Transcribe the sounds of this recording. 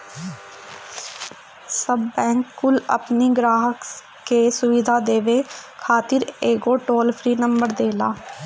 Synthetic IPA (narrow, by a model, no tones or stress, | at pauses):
səbːɛ̃ːŋkːʊlə̰pniːɡɾaːɦək | keːsʊʋid̪ʱaːd̪eːʋeːkʰaːt̪ɪɾeːɡoːʈoːlpʰɾiːnəmbəɾd̪eːlaː